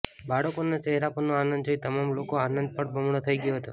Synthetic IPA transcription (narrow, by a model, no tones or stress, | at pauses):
baɽəkonat͡ʃɛɦɾapənoanənd̪oit̪əmamlokoanənd̪̚pəɽbəmɳot̪ʰəiɡəjoɦət̪o